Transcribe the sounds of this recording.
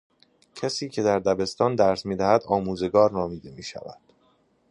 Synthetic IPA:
cʰæsiːcʰe̞d̪æɾd̪æbe̞st̪ɒːnd̪æɾsmiːd̪æhæd̪ɒːmuːze̞ɡɒːɾnɒːmiːd̪e̞miːʃæ̰væ̰d̪̥

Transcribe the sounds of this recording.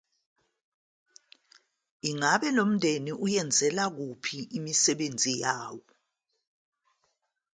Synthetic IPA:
iŋaɓɛlom̩ndʱeniʔujɛnd͡zʱɛlak̬upʰiʔimisɛɓend͡zʱijaːwɔ

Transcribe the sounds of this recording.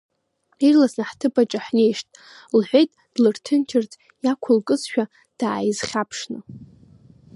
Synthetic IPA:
irlasnaħtʰɨbat͡ʃʼaħne̞jʂtʼ | lħʷejtʼd̥lɨrtʰɨntʰɪrt͡sʼ | jakʷʰʊlkʼɨzʃᶣa | d̥aːjizχʲapʰʂnɨ

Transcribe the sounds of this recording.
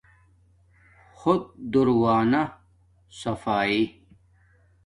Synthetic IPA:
xʊd̪̚d̪uɾwaːnɐ | sɐfaːi

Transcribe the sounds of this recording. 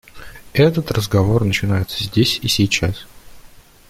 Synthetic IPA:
ɛt̪ət̪rəzɡɐvo̞rnət͡ɕɪnajɪt̪sə̥zʲdʲesʲisʲijt͡ɕas

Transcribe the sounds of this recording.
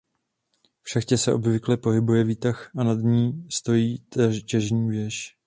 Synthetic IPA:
fʃɛxcɛsɛʔo̞bvɪklɛpo̞ɦɪbujɛviːt̪axʔanad̪ɲiːst̪o̞jiːt̪cɛʒɲiːvjɛʃ

